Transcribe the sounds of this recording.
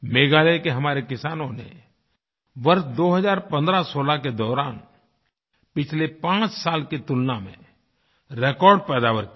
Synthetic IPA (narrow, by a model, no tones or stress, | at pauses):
meːɡaːlekeɦɐmaːɾekɪsaːnõnḛ | ʋəɾsd̪oːɦəzaːɾpə̃nd̪ɾasoːlaked̪ɔːɾaːn | pɪt͡ʃʰlepãːt͡ʃsaːlket̪ʊlnamḛ̃ | ɾeːkɔːɾɖ̚pɛːd̪aːʋəɾk